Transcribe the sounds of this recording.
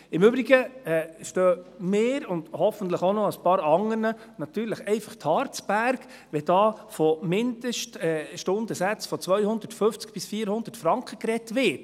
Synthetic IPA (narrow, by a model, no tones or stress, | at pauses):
ɪmʏbɾiɡəɛːʃtœːmeːɾʊnd̥hɔfən̩t̪ləχonɔəspɑːɾɑŋəɾnə | nɑt̪yːɾləχɛɪfɑχthɑːɾt͡sb̥æɾk | ʋɛd̥ɑːfɔmɪnd̥əʃtɛʃtʊnd̥əsæt͡sfɔt͡svœʏhʊnd̥ətføft͡skb̥ɪsfiːəɾhʊnd̥ətfɾɑŋkχəkɾɛtʋɪt